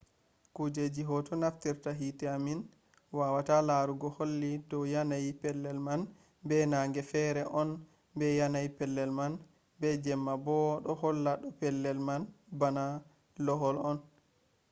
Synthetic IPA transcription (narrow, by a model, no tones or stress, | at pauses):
kud͡ʒed͡ʒiɦɔtɔnaftiɾtaɦitɛamin | wawatalaɾuɡɔholːidɔjanajpɛlːɛlman | bɛnaŋɡɛfɛɾɛʔɔn | bɛjanajpɛlːɛlman | bɛd͡ʒɛmːabɔɗɔhɔlːaɗɔpɛlːɛlmanbana | lɔɦɔlɔn